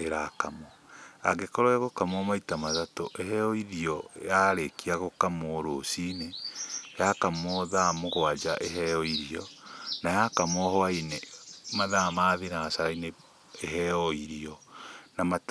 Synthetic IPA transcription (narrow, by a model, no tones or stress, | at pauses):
eɾakamɔ | a̰ɣekɔɾɔaɣokamwɔmaitamaðatoʔeɦɛɔiɾiɔjaɾekiaɣokamoɾosinejakamɔðamoɣwad͡ʒaʔeɦɛɔiɾiɔnajakamɔhɔainemaðamaðinaasaɾaine | eɦɛɔiɾiɔnamat